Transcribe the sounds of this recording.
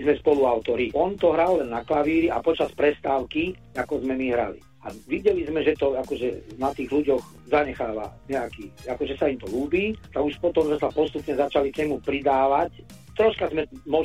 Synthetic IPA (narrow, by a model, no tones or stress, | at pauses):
zmɛspɔluaʊt̪ɔɾiʔɔnt̪ɔɦɾalːɛnːaklaʋiːɾia̰pɔt͡ʃaspɾɛst̪aːʊki | akɔzmɛmiɦɾa̰lḭ | a̰ʋiɟɛlizmɛʒɛt̪ɔakɔʒɛnat̪iːɣluɟɔɣ | zaɲɛxaːʋa̰ɲɛakiːakɔʒɛsaimt̪ɔluːbiːt̪aɡuʃpɔt̪ɔmzɛsapɔst̪upɲɛzat͡ʃalikɲɛmupɾid̪aːʋac | t̪ɾɔʃkazmɛmɔ